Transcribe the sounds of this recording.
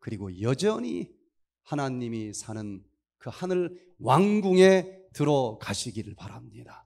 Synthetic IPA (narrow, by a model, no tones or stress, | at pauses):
kɯɾiɡojʌd͡ʑʌɲi | hanaɲimisʰanɯn | kɯhanɯɭ | waŋɡuŋe̞tɯɾʌkaɕʰiɡiɾɯɭpaɾamɲida